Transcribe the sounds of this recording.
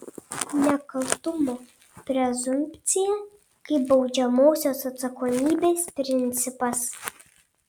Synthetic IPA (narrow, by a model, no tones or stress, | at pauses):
nʲɛkɐlˠt̪ʊmoː | pʲɾʲɛzʊmʲpʲt̪sʲɪjɛ | kɐɪbɒʊd͡ʒʲɛmoːsʲoːsɐt̪sɐkoːmʲiːbʲeːspʲɾʲɪnʲt̪sʲɪpɐs